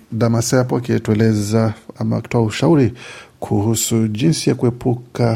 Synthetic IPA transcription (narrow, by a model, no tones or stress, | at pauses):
damasajapɔakiɛtuɛlɛzaamaki̥tɔauʃauɾikʰuhusuʄinsijakuɛpʰuka